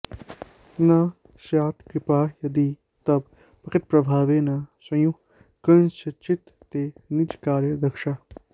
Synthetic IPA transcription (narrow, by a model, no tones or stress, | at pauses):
na | ʃaːt̪kɾɪpaːjɐd̪i | t̪ɐb | pɐkit̪̚pɾɐbʱaːʋeːnɐsɐ̃ju | kɐnsɐt͡ʃit̪ːenit͡ʃkaːɾjəd̪ɐkʃa